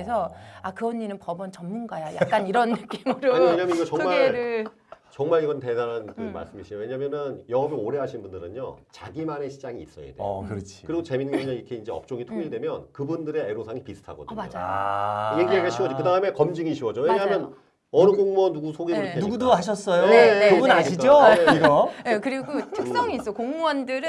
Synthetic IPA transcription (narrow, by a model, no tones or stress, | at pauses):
esʰʌakɯʌnːinɯnpʌbʌnt͡ɕʌmːunɡajaja̰kk͈aniɾʌnːɯk͈imɯɾoweɲaːmjʌniɡʌt͡ɕʌŋmaeɭɾɯ | t͡ɕʌŋmaɾiɡʌnte̞daɾankɯma̰ɭs͈ɯmiɕʰiowe̞ɲamjʌnɯnjʌɦʌbeoɾe̞ɦaɕʰinbundɯɾɯnot͡ɕaɡimane̞ɕʰid͡ʑaŋiːs͈ʌjḛdekɯɾt͡ɕʰi̥kɯɾiɡot͡ɕe̞minːŋɡʌɲʌikʰe̞ind͡ʑe̞ʌp̚t͡ɕ͈oŋitʰoŋiɭdwe̞mjʌnkɯbundɯɾe̞eɾosʰaŋipisʰɯ̥tʰa̰ɡʌdɲmaod͡ʑ | jeɡieɡeɕʰiwʌd͡ʑkɯdaɯme̞kʌmd͡ʑiŋiɕʰiwʌd͡ʑoweɲaɦmmjʌn | ʌnuɡoŋmʌnːuɡusʰoɡiɾɯɾokʰeuɡudoɦaɕ̬ʰʌs͈ʌjoeɯbunaɕʰid͡ʑoeɡʌe̞kɯɾiɡotʰɯkkss͈ʌŋiːs͈ʌkoŋmwʌndɯɾɯn